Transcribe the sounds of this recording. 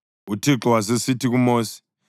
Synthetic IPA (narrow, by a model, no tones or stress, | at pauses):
utʰiǁɔwas̬esitʰik̬umoːsi̥